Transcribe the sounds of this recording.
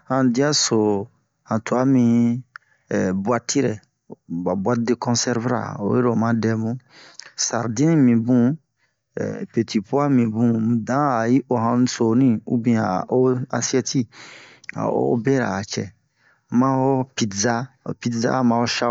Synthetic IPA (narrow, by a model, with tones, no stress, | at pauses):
hã˨di˦a˦so˨ | hã˨tu˨a˦mĩ˧˨ | bwa˦ti˦ɾɛ̰˨ | ba˨bwa˦de˦˨kɔ̃˦nsɛ˦ɾvɾa̰˨o̰˨je˦ɾo˨mã˦dɛ˨mũ˦sa̰˨ɾdĩ˦nĩ˦mĩ˨bṵ̃˦˨ | pe˨ti˨pu˦a˦mĩ˨bũ˦˨dã˨˦a˨ji˦ʔo˨ɦã˧˦so˨nĩ˦ṵ˦bĩ˦˨a˨o˦a˧si˦ɛ˦ti˦ | a̰˨o̰˦bɛ˦ɾa̰˨t͡ʃɛ̰˨ | mã˦o˦pi˨tza˦o̰˨pi˧˦tza̰˦mã˨˧o˦ʃa˦